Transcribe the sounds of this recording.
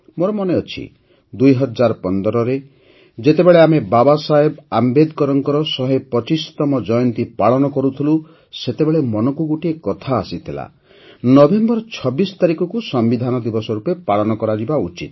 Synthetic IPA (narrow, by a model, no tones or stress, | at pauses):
moɾɔmɔneɔt͡ʃʰḭ | d̪ujɦɔd͡ʒaɾɔpɔnd̪ɔɾɔɾe | d͡ʒet̪ebeɭeamebabasaɦebambed̪kɔɾɔŋkɔɾɔsɔɦepɔt͡ʃist̪ɔmɔd͡ʒɔjɔnt̪ipaɭɔnɔkɔɾut̪ʰilu | set̪ebeɭemɔnɔkuɡoʈiekɔt̪ʰaːsit̪ʰila̰ | nɔbembɔɾɔt͡ʃʰɔbist̪aɾikɔkusɔmbid̪ʱanɔd̪ibɔsɔɾupepaɭɔnɔkɔɾad͡ʒibaut͡ʃit̪